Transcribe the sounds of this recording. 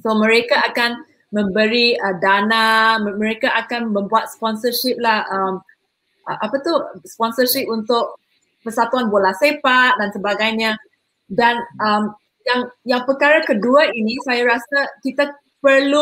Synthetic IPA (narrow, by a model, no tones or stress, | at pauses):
somə̃ɾekaakan | mə̃mbəɾiədanammə̃ɾekaʔakanmə̃mbuat̪̚spɔnsərʃip̚lahəm | ʔəʔapat̪uspɔnsərʃɪp̚unt̪ʊk̚ | pəsat̪uanbolahsepat̪̚dansəbaɡajɲa | danəm | jaŋjaŋpərkaɾakəduainisajaɾasakit̪a | pərlu